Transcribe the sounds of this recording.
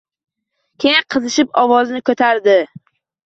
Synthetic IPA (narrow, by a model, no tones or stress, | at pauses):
kʲʰejqʰɨzɪʃɪpɒwɒznɪkʰɵt̪ʰaɾd̪ɪ